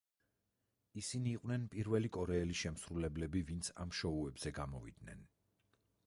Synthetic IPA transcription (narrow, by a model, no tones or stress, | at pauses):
isiniːqʼwnɛnpʼiɾvɛlikʼɔɾɛːliʃɛmsɾulɛblɛbivint̪sʰa̰mʃɔuɛbz̥ɛɡamɔvḭd̪̚nɛ̰n